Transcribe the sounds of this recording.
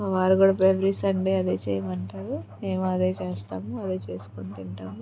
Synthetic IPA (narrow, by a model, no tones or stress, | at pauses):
ʋaːɾuɡuːɽɐbɾebɾisɐɳɖeːɐd̪eːt͡ʃɛːjɐmɐɳʈaːɾume̞ːmuɐd̪e̞ːt͡ʃeːst̪aːmuɐd̪e̞ːt͡ʃe̞ːsu̥kont̪iɳʈaːmu